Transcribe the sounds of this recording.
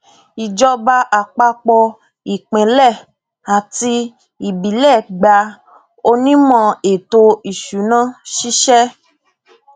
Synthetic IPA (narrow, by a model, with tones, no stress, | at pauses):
i˨d͡ʒɔ˧ba˧ʔa˨k͡pa˧k͡pɔ˧ | i˨k͡pɛ̃˨˦lɛ˦˨ | a˨ti˧ | i˨bi˨˦lɛ˦˨ɡ͡ba˧ | o˧nĩ˦mɔ̃˧e˨to˧i˨ʃu˨˦nã˦ʃi˦ʃɛ˦